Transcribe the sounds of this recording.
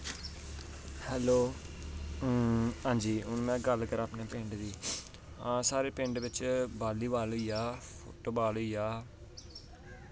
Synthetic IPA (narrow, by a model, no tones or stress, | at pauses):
hɛːloː | ɦãːɲd͡ʒiːɦʊnmɛ̃ːɡəlkəɾaːpneːpɪ̃ɳɖd̪iː | ãːsaːɾeːpɪ̃ɳɖʋɪt͡ʃbaːliːʋaːloiːjaːpʰo̰ːʈoːbaːloiːaː